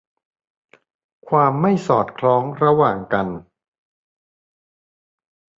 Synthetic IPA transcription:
kʰwaː˧mːa˥˩jsɔː˨˩t̪̚kʰlɔː˦˥ŋɾa˧waː˨˩ŋka˧n

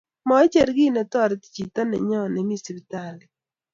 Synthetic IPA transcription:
mɔ˦t͡ʃe˦˨ɾɡi˦˨ne˨tɔ˦˨ɾɪ˨˦ti̥˦˨t͡ʃi˨tɔ˦nɛ̰˨ɲɔ˦˨ne˨mi˦˨si˨bi˦ta˦˨lɪ˨

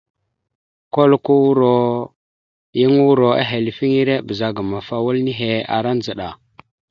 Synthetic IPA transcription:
ko˦lku˦wu˦ɾo˨ | ji˦ŋu˦ɾo˨a̰˦ɦe˨lfi˦ŋi˦ɾe˦bə˨za˨ɡa˨ma˨fa˦wu˦lni˦ɦe˨a̰˨ɾa˦n˦za˨ɗa˨

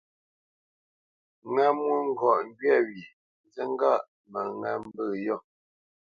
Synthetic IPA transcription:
ŋa˦mwu˦ŋ̩˦˨ɡɔ˨ʔŋ̩˦ɡɥɛ˦˨ɥi˨ | n˦zə˦ŋ˦ɡa˦˨ʔ | mə˨ŋa̰˨m˦bə˦˨jɔ˦˨

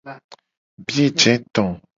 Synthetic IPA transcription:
bje˦˨d͡ʒɛ̃˨˦t̪ɔ̃˨

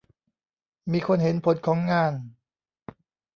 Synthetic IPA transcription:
miː˧kʰo˧nɦe˩˦npʰo˨˦n̚kʰɔː˩˦ŋːaː˧˩n

